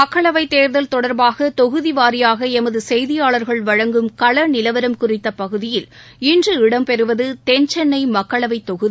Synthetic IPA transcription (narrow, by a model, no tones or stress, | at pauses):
mɐkːɐɭɐʋɐɪt̪ːeːɾðɐlt̪ɔɽɐɾbaːɣɐt̪ɔɣɯðiʋaːɾɪjaːɣɐɛmɐðɯsɛjðɪjaːɭɐɾɣɐɭʋɐɻɐŋɡɯmkɐɭɐnɪlɐʋɐɾɐmkʊrɪt̪ːɐpɐɣɯðɪjɪl | ɪndrɯɪɽɐmpɛɾɯʋɐðɯt̪ɛɲt͡ʃɛnːɐɪmɐkːɐɭɐʋɐɪt̪ːɔɣɯði